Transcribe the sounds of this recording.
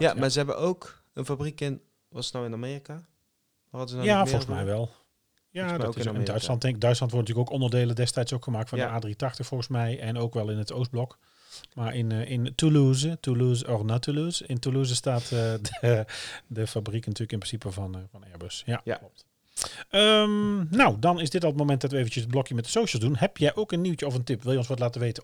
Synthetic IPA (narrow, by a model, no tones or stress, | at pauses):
jamaːzəɛbə̰nowk | ənfabrikɪn | ʋɑtsənawɪnameːrika | ʋaɑdəzəjafɔlˠɣsmɛjʋɛlˠ | jadtɪɪndœɥtslɑntɛŋɪɡ̚dœɥtslɑntʋɔrtntyːəkowkɔndərdeːləndɛstɛjtsokxəmaːk̚tfɔnəaːdriətɑxtəxfɔlˠɣəsmɛjɛnowkʋɛlˠɪnətows̚blɔk | maːɹʔɪnɪntuluːzətuluzɔrnatuluːzɪntuluːzəstaːtəə | dəfabriknatyːləkɪnprɪnsipəvɑnvɑnɛɹbəsja̰jalɔp̚t | əmnawdɑnɪsdɪtɑlˠət̚mowmɛnt̚dɑtʋəejvənt͡ʃəsəd̚blɔkjəmɛt̚dəsowʃəlˠzdunɦɛpjɛjʔowkənːiwtəɔfəntɪpʋɪlˠjəɔnsʋɑtlaːtəʋejtə